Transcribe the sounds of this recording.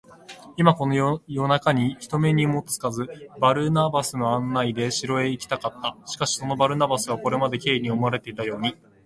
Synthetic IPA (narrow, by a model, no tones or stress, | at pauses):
imako̞nojo̞nakaɲ̟içi̥t̪o̞me̞ɲ̟imot͡sɨ̥kazɨbaɾɯ̟nabasɨno̞ãnːaid̪e̞ɕiɾo̞e̞ikʲi̥t̪akat̪ːaɕi̥kaɕi̥so̞no̞baɾɯ̟nabasɨβako̞ɾe̞mad̪e̞kʲe̞ːiɲ̟io̞moaɾe̞t̪e̞it̪ajo̞ːɲ̟i